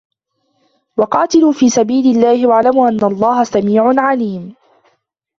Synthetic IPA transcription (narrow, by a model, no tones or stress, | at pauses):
wɑqɑːt̪ɪluːfiːsabiːlɪlːaːhɪwaʕlamuːʔanːalˤːɑːhasamiːʕʊnʕaliːm